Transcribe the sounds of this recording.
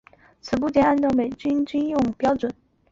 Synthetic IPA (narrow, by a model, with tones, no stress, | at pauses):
t͡sʰɹ̩˨˩p̬u˥˩t͡ɕjɛ˧˥na˥˧nʈ͡ʂɑ˥˩ʊme˨˩ɪt͡ɕy˥nt͡ɕy˥njʊ˥˩ŋpjɑ˥ʊʈ͡ʂwə˨˩˦n